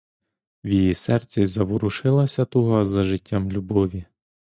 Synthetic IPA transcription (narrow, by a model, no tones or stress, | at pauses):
wjijisɛrt͡sʲizɐʋʊɾʊʃɪlˠɐsʲɐt̪ɔɦɔzɐʒɪtʲːamlʲubɔʋʲi